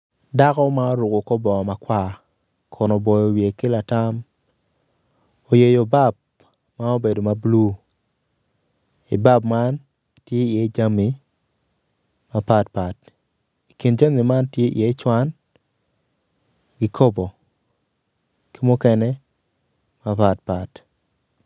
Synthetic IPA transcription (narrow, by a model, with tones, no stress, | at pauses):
da˦kɔ˦ma˦o˦ɾu˨ko˨ko˦bɔ˨ma˨kwa˦ | kʰɔ˨nɔ˨bɔ˨jo˨wje˨ke˦la˨ta˦m | o˨je˨jo˨ba˦b̚ | ma˦o˦be˨do˨ma˨blu˦ | i˨ba˦pma˦n | tje˦i˨e˦d͡ʒa˦mi˨ | ma˦pa˦tpa˨t | i˨ki˨nd͡ʒa˦mi˨ma˦ntje˦ʔḭ˨e˦t͡ʃwa˦n | ɡi˦kʰo˦bo˨ | ki˦mʊ˦kɛ˦nɛ˦ | ma˦pa˨tpa˨t